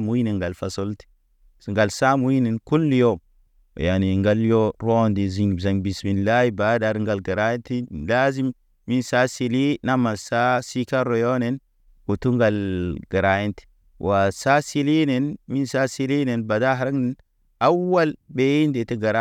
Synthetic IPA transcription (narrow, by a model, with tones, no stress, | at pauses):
mu˦ji˦ne˨ŋɡa˨lfa˨so˦lti̥˨ | ŋɡa˨lsa˦mu˦ji˦ne˨nku˦lːi˦jo̰˦˨ | ja˨ni˨ŋɡa˦ljo˦ɾo˦ndi˨zi˨ŋ˨za˨ŋbi˨smi˨nla˦ji˦ba˨˦da˨ɾŋɡa˨lɡa˨ɾa˦ji˦nti˦la˦zi˦m | mi˦nsa˦si˨li˦na˦ma˨lsa˦si˦ka˦ɾo˨jo˦ne˦n | ku˨tu˦ŋɡa˨lɡa˨ɾa˨je˦nti̥˨ | wʔa˨sa˦si˦li˦ne˨nmi˦nsa˦si˦li˦ne˨nba˨da˦ɦa˨ɾa˦kne˨n | a˦wːa˦lbe˦i˦nde˨ti˦ɡa˨ɾa˦